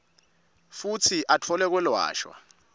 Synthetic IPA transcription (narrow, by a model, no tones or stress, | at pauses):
futʰiʔatʰɔlɛk̬wɛlwa̰ːʃwa̰